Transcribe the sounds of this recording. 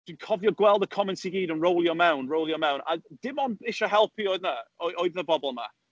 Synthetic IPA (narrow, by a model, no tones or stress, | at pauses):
d̥ĩnkʰɔvjɔɡwɛlˠdəkʰɔmɛ̃ntʰiɡiːdənɹowlˠjɔmawnɹowlˠjɔmaw̃nʔa̰d̥ɪmɔnɪʃəɦɛlˠpʰiɔdnəɔʔɔɨððəbɔblˠma̰